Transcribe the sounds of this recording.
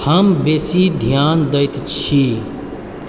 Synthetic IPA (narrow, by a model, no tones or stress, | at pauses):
həmbeːsid̪ʱjaːnd̪əjt̪t͡ʃʰi